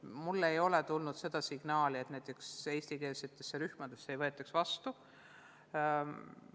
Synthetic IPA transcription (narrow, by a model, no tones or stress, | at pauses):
mulːe̞jo̞lɛt̪ulnud̪̥se̞d̪̥ɑsiɡ̥nɑːliet̪næjt̪ːˑekse̞ːst̪ike̞ːsit̪ːˑesːeɾyhmɑd̪esːejvɤe̞t̪ːˑɑksvɑst̪u